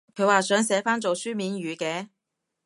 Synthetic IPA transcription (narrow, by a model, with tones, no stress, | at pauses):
kʰɵ˨˧ɥwaː˨˩sœː˨˥ŋsɛː˨˥faː˥nt͡so˨wsyː˥miː˨˥nɥyː˨˧kɛː˧˥